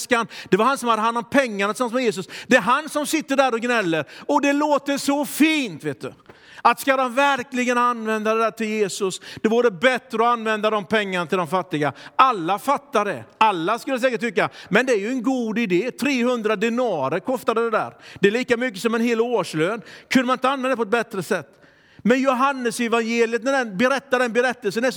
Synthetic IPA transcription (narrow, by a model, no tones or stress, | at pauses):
skand̪̥ɛvaɾhansɔmhad̪ːəɦand̪ɔmpʰɛŋːaɳat̪ɪsamsmɛjeːs̬ɵsd̪̥ɛːɾɦansɔmsɪt̪ːəɖæːɾɔɡnɛlːəɾɔd̪ɛloːt̪əʂɔfiːnt̪veːt̪d̪ɵ̰ | at̪skad̪ɔmvæɾklɪɡənanːvɛnd̪ad̪ɛd̪æːʈʰɪljeːsɵsd̪̥ɛvuːɾəbɛt̪ːɾəɔanvɛnd̪ad̪ɔmpʰɛŋːaɳat̪ʰɪld̪ɔmfat̪ːɪɡaalːafat̪ːaɖɛ̰alːaskɵlːəs̬ɛːkəʈʰːʏkːamɛnd̪ɛæɾjɵɛnɡuːd̪ɪd̪eːt̪ʰɾeːhɵnd̪ɾad̪ɪnɑːɾəɾkʰɔst̪ad̪əd̪ɛd̪æ̰ːɾd̪̥ɛɛliːkamʏkːəsɔmɛnɦeːloːʂløːnkʰɵnd̪əmanɪnt̪anvɛd̪ɛpɔɛt̪̚bɛt̪ɾəsɛt̪ː | mɛnjʊɦanːəsɛvanjeːlɪət̪̚næɖɛnbɛɾɛt̪ːaɖɛnbɛɾɛt̪ːəlsənæ